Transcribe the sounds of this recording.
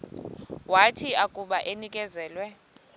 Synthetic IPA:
watʰiakʼuɓaʔenikʼɛzɛːlwɛ

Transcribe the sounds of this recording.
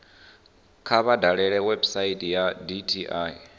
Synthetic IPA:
kʰaβadʱaɺɛɺɛwɛbsaitʼijaditʰiʔai

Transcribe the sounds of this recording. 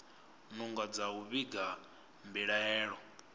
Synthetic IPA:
nuŋɡad͡zauβiɡa | mbiɺaɛːɺɔ

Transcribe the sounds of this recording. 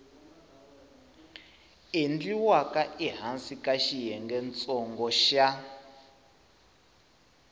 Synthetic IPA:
end͡ɮiwakaʔiɦansikaʃijɛŋɡɛnt͡sʼɔŋɡɔʃa

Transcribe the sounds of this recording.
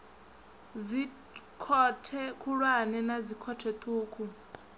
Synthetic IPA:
d͡zi | kʰɔtʰɛkʰuɺwanɛnad͡zikʰɔtʰɛt̪ʰuːkʰu

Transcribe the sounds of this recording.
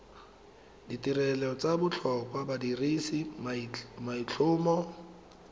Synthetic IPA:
ditirɛlɛt͡sabʊt͡ɬʰɔkwabadirisi | mait͡ɬʰʊːmɔ

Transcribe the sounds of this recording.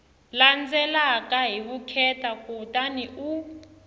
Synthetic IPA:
land͡zɛlakʼaɦiɓukʰɛtʼakʼutʼaniʔu

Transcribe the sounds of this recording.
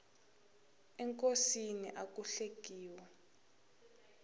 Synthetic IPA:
ɛŋkʼosinḭʔak̬ʼuɬeɡ̥ʱiːwɛ

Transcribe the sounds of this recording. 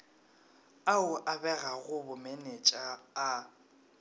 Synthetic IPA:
aʊʔabɛɣaɣʊbʊmɛnɛt͡ʃʼaː

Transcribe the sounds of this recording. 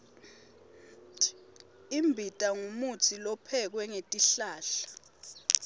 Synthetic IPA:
imbʱitʼaŋumutʰilɔpʰɛk̬wɛŋetʼiɬaːɬḁ

